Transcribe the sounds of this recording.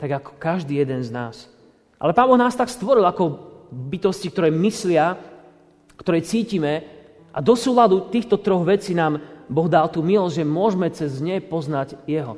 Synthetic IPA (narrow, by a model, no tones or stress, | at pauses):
t̪aɡakɔ̥kaʒd̪iːjɛd̪ɛnznaːs | ʔa̰lɛpaːnbɔɣnaːst̪akst̪ʋɔɾilakɔbit̪ɔscik̚t̪ɔɾɛːmislɪa | kt̪ɔɾɛjt͡siːcimɛ | ʔa̰d̪ɔsuːlad̪ut̪iːxt̪ɔt̪ɾɔɣʋɛt͡siːnaːmbɔɣd̪alt̪uːmilɔzʲʒɛmʊɔʒmɛt͡sɛzɲɛpɔznaɟjɛɦɔ